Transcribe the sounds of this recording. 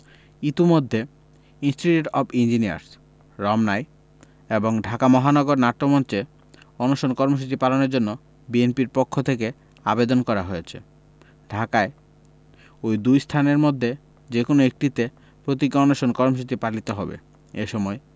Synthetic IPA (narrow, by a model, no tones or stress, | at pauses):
it̪umod̪ʱːe | insʈiʈuʈɔbind͡ʑinia̰ɾs | ɾɔmnaj | eboŋɖʱakamɔɦanɔɡoɾnaʈːomɔnt͡ɕe | ɔnoʃonkɔɾmoʃ̬ut͡ɕipalonoɾd͡ʑonːo | bienpiɾpokʰːot̪ʰeke | a̰bed̪onkɔɾaɦojet͡ɕʰḛ | ɖʱakae | ojd̪ujst̪ʰaneɾmod̪ʱːe | d͡ʑekonoek̚ʈit̪e | pɾot̪̬ikɔnoʃonkɔɾmoʃ̬ut͡ɕipalit̪oɦɔbḛ | eʃɔmɔe